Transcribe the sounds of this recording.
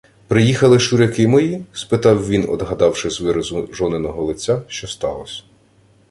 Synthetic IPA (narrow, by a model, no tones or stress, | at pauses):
pɾɪjixɐlˠɪʃʊɾʲɐkɪmʊjispɪt̪ɑwʋʲinɔ̰d̪ɦɐd̪ɑwʃɪzʋɪɾɐzʊʒɔnɪnɔɦɔlˠɪt͡sʲːaʃt͡ʃɔst̪ɑ̰lˠɔsʲɐ̥